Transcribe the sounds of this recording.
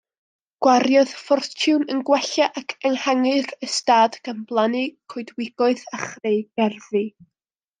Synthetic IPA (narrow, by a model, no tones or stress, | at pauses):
ɡ̥waɾjɔð̥fɔrtʰʊwnənɡwɛɬaʔakʰɛŋhaŋɨrəstaːd̥ɡ̥amblˠanɨkʰoɨdwɪɡ̥ɔɨðaχreɡ̥ɛrvi